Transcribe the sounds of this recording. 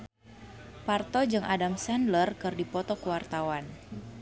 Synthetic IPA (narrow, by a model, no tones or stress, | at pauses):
part̪ɔd͡ʒɨŋʔadamsandlərkɨrdipɔt̪ɔkəwart̪awan